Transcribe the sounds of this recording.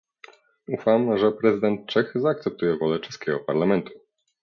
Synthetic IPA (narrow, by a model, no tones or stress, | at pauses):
ufamʐɛpɾɛzɨɘd̪ɛnt̪̚t͡ʂɛxzaːk̚t̪sɛp̚t̪ujɛvɔlɛt͡ʂɛskʲɛɡɔpaɾlamɛnt̪u̥